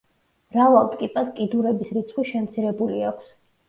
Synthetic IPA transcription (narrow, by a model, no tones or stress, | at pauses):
ɾavalˠt̪ʼkʼipʼaskʼid̪uɾɛbisɾit̪sʰχwiʃɛmt̪sʰiɾɛbuliakʷʰs